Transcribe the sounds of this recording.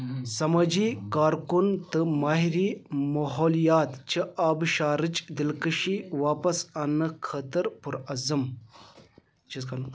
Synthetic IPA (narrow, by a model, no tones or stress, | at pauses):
sɐmɐd͡ʒiːkaːɾkunt̪ɨmaːɦiɾiːmɐɦoːljaːt̪t͡ʃʰɨʔaːbʃaːɾɨt͡ʃd̪ilkəʃiʋaːpɐsɐnːɨkʰəːt̪əɾpuɾɐzɨm | t͡ʃʰiskɐn